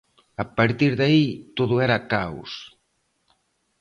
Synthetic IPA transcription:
apaɾt̪iɾðait̪oðʊɛɾakaw̰s

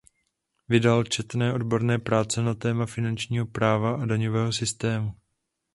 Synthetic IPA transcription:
vɪdalt͡ʃɛt̪nɛːʔo̞dbo̞ɾnɛːpɾaːt͡sɛnat̪ɛːmafɪnant͡ʃɲiːɦo̞pɾaːvaʔadaɲovɛːɦo̞sɪst̪ɛːmu

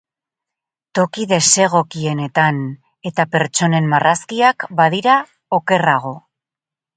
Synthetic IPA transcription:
t̪o̞kiðe̞se̞ɣ̞o̞kie̞ne̞t̪an | e̞t̪ape̞ɾt͡ʃo̞ne̞mmarʔaskiakbaðiɾa | o̞ke̞raɣ̞o̞

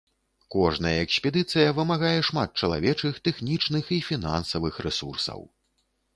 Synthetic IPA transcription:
kɔʐnɐjɐɛksʲpʲɛd̪ɨt̪sɨjɐvɨmaɣajɛʂmat̪̚t͡ʂɐlˠa̰vʲɛt͡ʂɨxt̪ɛxnʲit͡ʂnɨxifʲina̰nsɐvɨxrɛsursɐ̰w

